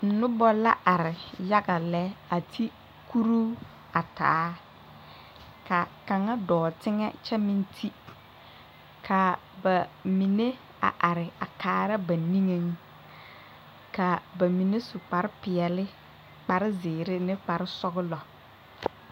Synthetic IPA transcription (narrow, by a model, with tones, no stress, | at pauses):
n̩˨nʊ˦bɔ˦la˦ʔa˨ɾɪ˨ja˦ɡa˨lɛ˦a˨tʰi˦ | ku˦ɾuː˦ | a˨ta̰ː˨˦ | ka˨ka˨ŋa˦dɔː˨tɪ˦ŋɛ̰˦t͡ʃɛ˦mɪ˦ntʰi˦ | kʰa˨ | ba˨mi˨ne˦ | a̰˨ʔa˨ɾɪ˨a˨kaː˨ɾa˦ba˨ni˦ŋe˦ŋ | ka˨ba˨mi˨ne˦sʊ˨k͡pa˨ɾɪ˦pɪ˨ɛ˨lɪ˦ | k͡pa˨ɾɪ˦zɪː˨ɾɪ˦nɪ˦k͡pa˨ɾɪ˦sɔ˦ɣɪ˦lɔ˨